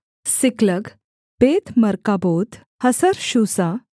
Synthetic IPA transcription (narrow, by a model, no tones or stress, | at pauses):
sikləɡ | pet̪məɾkabot̪ | həsəɾɕusa